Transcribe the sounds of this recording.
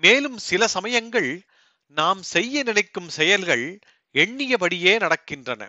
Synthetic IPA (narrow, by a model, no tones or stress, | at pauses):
meːlɯmsɪlɐsɐmɐjɐŋɡɐɭ | naːmsɛjːɐnɪnɐɪkːɯmsɛjɐlɣɐɭ | ɛɳːɪjɐpɐɽɪjeːnɐɽɐkːɪndrɐnɐ̰